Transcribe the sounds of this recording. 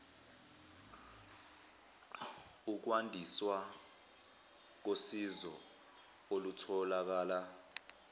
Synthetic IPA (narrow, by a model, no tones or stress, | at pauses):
uk̬wandʱiswa | k̬osizɔ | olutʰɔlak̬aːla